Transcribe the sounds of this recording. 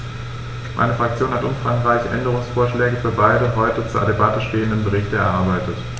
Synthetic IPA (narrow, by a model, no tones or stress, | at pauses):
mʔa̰ɪnəfʁ̥ak̚t͡sjoːnhatʔʊmfʁ̥aŋʁaɪçʔɛ̰ndəʁ̞ʊŋsfoːɐʃlɛːɡəfyːɐbaɪdəɦɔʏtət͡suːɐdebatəʃteːəndənbəʁɪçtɛɐʔaɐbaɪtət